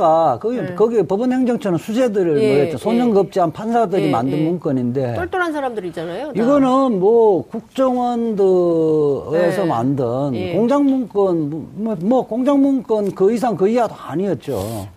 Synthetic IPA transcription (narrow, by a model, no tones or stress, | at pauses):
ɡakɯikʌɡipʌbɯnhe̞ŋd͡ʑʌŋt͡ɕʰʌnɯnsʰud͡ʑe̞dɯɾɯɭmoɾet͡ɕisʰonʌŋɡɯp̚t͡ɕ͈iɦanpʰansʰadɯɾima̰ndɯnmuŋk͈ɯɲinde̞oɭt͈oɾɦansʰaɾamdɯɾit͡ɕ͈anajoiɡʌnɯnmwʌkuk̚t͡ɕ͈ʌŋwʌndɯ | esʰʌma̰ndɯnkoŋd͡ʑaŋmuŋk͈ɯnmmwʌkoŋd͡ʑaŋmuŋk͈ɯnkɯis̬ʰaŋkɯiadoaɲiʌt̚t͡ɕ͈o̰